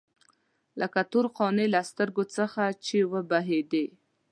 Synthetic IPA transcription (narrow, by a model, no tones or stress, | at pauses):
lʔakat̪uɾqɑnelast̪əɾɡot͡səxat͡ʃewəbaɦed̪e